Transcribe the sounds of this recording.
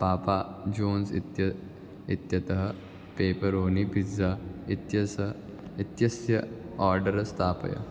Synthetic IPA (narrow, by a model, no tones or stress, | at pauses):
paːpad͡ʒoːnsḭt̪jɐ | it̪jɐt̪ɐɦɐ | peːpɐɾoːnibʱid͡zait̪jɐsɐit̪jɐsjɐaːɾɖɐɾɐst̪ʰaːpɐ̰jɐ̰